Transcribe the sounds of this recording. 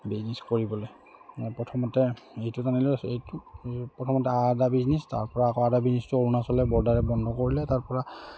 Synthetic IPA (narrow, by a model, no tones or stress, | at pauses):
bizniskoɹibɔle | pɔtʰɔmɔtɛejtutanilosejtupɹɔtʰɔmɔtɛadabiznista̰ɹpɔɹaːkɔadabiznɛstuoɹunasɔlɛbɔɹdaɹɛbɔndʱɔkoɹilɛtaɹpɔɹa